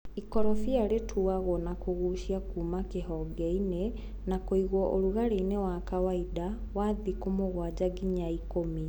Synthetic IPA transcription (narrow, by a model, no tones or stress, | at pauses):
ikɔɾɔfiaɾetʰuaɣɔnakoɣuʃiakuːmakeɦɔɡɛine | nakoiɣwɔʔoɾuɣaɾeinewakawaidawaðikomoɣwad͡ʑaɡiɲaikomi